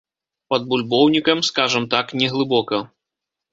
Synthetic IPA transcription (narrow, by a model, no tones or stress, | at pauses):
pɐd̪̚bulʲbɔwnʲikɐmskaʐɐmt̪aknʲɛɣlˠɨbɔkɐ